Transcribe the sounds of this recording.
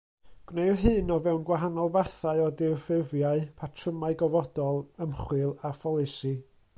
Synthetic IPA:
ɡ̥wnejɦɨːnɔvɛwnɡwaɦanɔlˠvaθaɨɔdɪfɪvjaɨpʰatʰrəmaɨɡɔvɔd̥ɔlˠəmχwɨlˠafɔlˠɪsi

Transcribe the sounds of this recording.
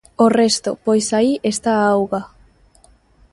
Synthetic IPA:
orest̪o̰pojsaiʔest̪aawɣa

